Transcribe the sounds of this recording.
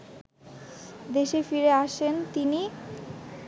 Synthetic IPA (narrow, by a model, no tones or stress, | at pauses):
d̪eʃefiɾeaʃent̪ini